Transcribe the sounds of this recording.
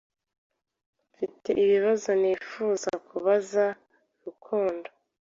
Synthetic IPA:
mfite̞̰ʔiβiβazo̞niːfuːzakʰuβaza | ɾukʰoːndo

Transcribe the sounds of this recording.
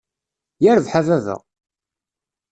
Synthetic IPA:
jæɾəvħavæðə̰ʁ

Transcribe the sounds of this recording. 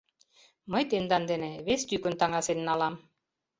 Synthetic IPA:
mɤjt̪end̪ɑnd̪eneβest̪ykɵ̆nt̪ɑŋɑsennɑlˠɑm

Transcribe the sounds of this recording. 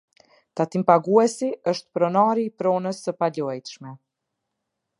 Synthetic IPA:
t̪at̪impaɡuɛsiəʃt̪pɾɔnaɾiːpɾɔnəsːəpaʎɔɛjt̪ʃmɛ

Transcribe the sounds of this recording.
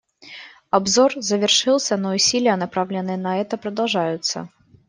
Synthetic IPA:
abzɔrzɐvʲɛrʂɨlˠsʲɐnɐusʲilʲɛɐnapɾawlʲɪnɨnɐɛt̪ɐpɾɐd̪awʐajʊt̪sːɐ̰

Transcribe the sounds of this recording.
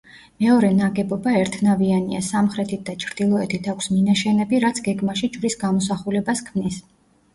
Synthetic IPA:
mɛɔɾɛnaɡɛbɔbaɛɾt̪ʰnaviania̰samχɾɛt̪ʰit̪̚d̪at͡ʃʰɾd̪̥ilˠɔɛt̪ʰit̪ʰakʷʰsminaʃɛnɛbiɾat̪sʰɡɛɡmaʃid͡ʒvɾisɡamɔsaχulɛbaskʰmnis

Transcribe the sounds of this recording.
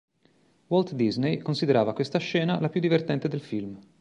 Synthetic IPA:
wɔlt̪d̪iznejkonsid̪eɾaːvakwest̪aʃːɛːnalapjud̪ːivert̪ɛnt̪ed̪elfilm

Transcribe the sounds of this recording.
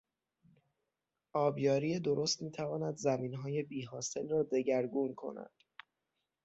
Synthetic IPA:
ʔɒːbjɒːɾiːe̞d̪o̞ɾo̞st̪miːt̪ʰævɒːnæd̪zæmiːnɦɒːje̞biːɦɒːse̞lrɒːd̪e̞ɟæɾɡuːnkʰo̞̰næ̰d̪̥

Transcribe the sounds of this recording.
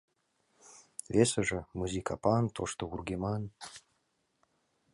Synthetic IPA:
vʲesəʒə̆muzʲikʰa̰pɑnt̪ʰoʂt̪ourɡʲemɑn

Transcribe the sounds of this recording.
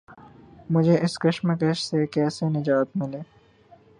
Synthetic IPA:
mʊd͡ʒʱeʔɪskɐʃməkɐʃsekɛːsenɐd͡ʒaːt̪mɪleː

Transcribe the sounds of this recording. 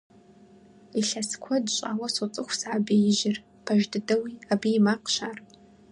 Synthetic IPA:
iɬɐskʷʰɔdɕʼaːwɐsot͡sʼɨxʷsʕabeːjɪʒɪr | pʰɐʒdɨdɐwiabijːmaqɕaːr

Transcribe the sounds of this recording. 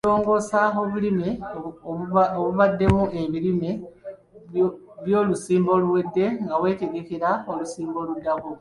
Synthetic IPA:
oːŋɡo̞saoβulime | oβuβadːe̞muʔe̞βilime | βjo̞ːlusiːmbo̞ːluwe̞dːe̞ŋɡawe̞ːte̞ɡe̞kiɾaolusiːmbo̞ludːako

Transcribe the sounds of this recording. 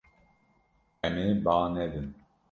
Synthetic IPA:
ɛmebaːnɛd̪ɨn

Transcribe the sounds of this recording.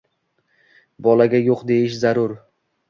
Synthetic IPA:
bɒlaɡʲajoqd̪e̞jɪʃzaɾʊɾ

